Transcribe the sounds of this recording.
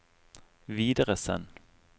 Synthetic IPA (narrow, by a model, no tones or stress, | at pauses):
ʋiːd̪əʁəsɛ̰n